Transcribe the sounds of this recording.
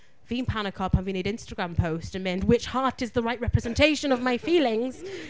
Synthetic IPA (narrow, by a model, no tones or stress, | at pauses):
v̥ĩnpʰanəkʰɑphə̃vĩneɪɾɪ̃nstəɡɹãmpʰoʊstɨ̃mɛ̃nd̚wɪt͡ʃhɑɹɾɨzðəɹaɪʔ̚ɹɛpɹ̥ɨzɛ̃ntʰeɪʃɨ̃nʌvmaɪfilˠɪ̃ŋz̥